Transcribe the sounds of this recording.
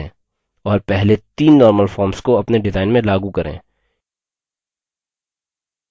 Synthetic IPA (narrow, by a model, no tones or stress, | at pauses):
ɔːɾpɛɦlet̪iːnːɔːɾməlfɔːɾmskoɐpneɖɪzaːɪnmẽlaːɡukɐɾḛ̃ː